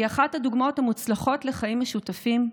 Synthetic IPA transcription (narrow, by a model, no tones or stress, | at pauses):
aχathaduɡmo̞thamut͡slaχo̞tle̞χaimaʃutafim